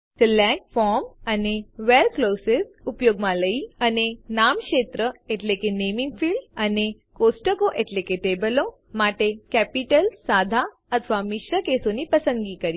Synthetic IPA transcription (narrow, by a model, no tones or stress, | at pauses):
silɛ̃k̚fɔɾmaneʋeɾklosesupjoɡmaləianenamkɕet̪ɾəeʈlekenemiŋɡfiːɭɖane | kosʈəkoʔeʈlekeʈebəlo | maʈekæpiʈəlsad̪ʱa | ət̪ʰəʋamiɕɾəkesoniːpəsənɡiːkəɾi